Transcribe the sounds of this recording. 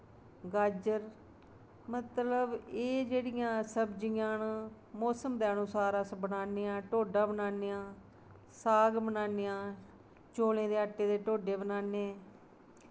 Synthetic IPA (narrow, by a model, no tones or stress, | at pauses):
ɡaːd͡ʒəɾ | mət̪ləbeːd͡ʒeːɽɪjãːsəbd͡ʒijãːn | mɔːsəmd̪eːənʊsaːɾəsbənaːneːãːʈoːɖaːbənaːnejãː | saːɡbənaːneːãː | t͡ʃoːlẽːd̪eːəʈːeːd̪eːʈoːɖeːbənaːneː